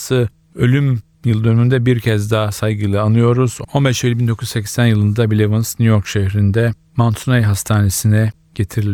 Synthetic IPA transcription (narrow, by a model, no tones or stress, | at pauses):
sɯ | ø̞lʲym | jɯlˠd̪ø̞nyynd̪ɛbiɾcʰɛzd̪aːsajɡɯlˠɯanˠɯjo̞ɾuz̥o̞nbɛʃelʲibind̪o̞kʰuyzsɛcsænjɯlˠɯnd̪abilʲevɯnsnʲyjo̞ɾkʃeçɾind̪ɛ | mant̪ʰunejɦast̪ʰaːne̞sinɛ | ɟ̥e̞t̪ʰiɾilʲ